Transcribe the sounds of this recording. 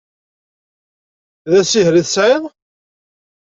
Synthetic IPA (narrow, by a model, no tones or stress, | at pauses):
ðæsiɦɾiθəsʕɪðˤ